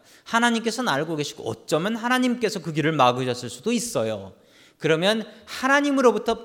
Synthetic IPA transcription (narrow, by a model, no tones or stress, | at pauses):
hanaɲimk͈e̞sʰʌnaɭɡoɡe̞ɕʰi̥ɡo̰ʌ̰t̚t͡ɕ͈ʌmɯnhanaɲimk͈e̞sʰʌkɯɡiɾɯɭmaɡɯɕʰʌs͈ʰɯɭs͈udois͈ʌjo̰ | kɯɾʌmjʌnhanaɲimɯɾobutʰʌ